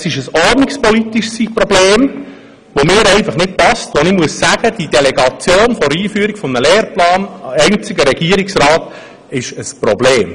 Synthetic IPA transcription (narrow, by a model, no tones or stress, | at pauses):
sɪʃəsɔɾdnɪkspɔlitiʃsiprɔbleːm | ʋomɪːɾɛɪnfɑχnɪt̚pɑstʋonɪmuəsːæɡ̥əd̥idɛlɛɡɑt͡sjoːnfɔɾiːfyːəɾiɡ̥fɔmnəleːɾplɑːnɛnt͡sɪɡəɾɛɡiəɾiksɾɑːt | ɪʃəspɾɔbleːm